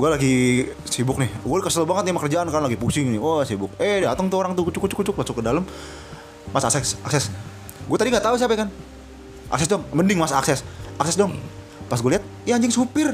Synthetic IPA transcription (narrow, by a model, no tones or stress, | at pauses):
ɡualaɡi | sibʊk̚nɪhɡuakəsələbaŋət̪̚namakərd͡ʒaʔankarnalaɡipusɪŋnɪwasibʊk̚edɛat̪əŋt̪uoɾaŋt̪ukut͡ʃukut͡ʃʊkːut͡ʃʊk̚lasʊkːədaləmː | asaksɛsaksɛs | ɡuat̪adiŋɡaʔt̪aus̬iapɛkan | ʔa̰ksɛsdɔŋməndɪŋmasaaksɛsʔaksɛsdɔŋ | pasɡualiɦat̪̚jaɲd͡ʒɪŋsupɪr